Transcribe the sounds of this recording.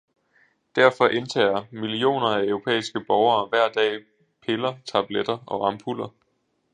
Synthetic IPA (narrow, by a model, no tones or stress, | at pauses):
d̥æɐfɒ̽ʔe̝nt͡sʰɛ̰ːɐmilio̝̰ːnɐæœʊʁo̝pʰḛːisɡ̥əb̥ɒʊɐːʋæɐ̰d̥ɛ̰ː | pʰe̝lɐt͡sʰɑ̈b̥led̥ɐɒ̽ɑ̈mpʰulɐ